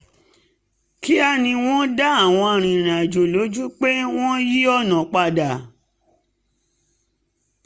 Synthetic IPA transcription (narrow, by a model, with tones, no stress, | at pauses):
ki˦a˦˨nĩ˧w̃ɔ̃˦da˦a˦˨w̃ɔ̃˧a˧˨ɾ̃ĩ˨ɾ̃a˨d͡ʒo˨lo˨˦d͡ʒu˦k͡pe˦w̃ɔ̃˦ji˦ɔ˦˨nã˨k͡pa˧da˨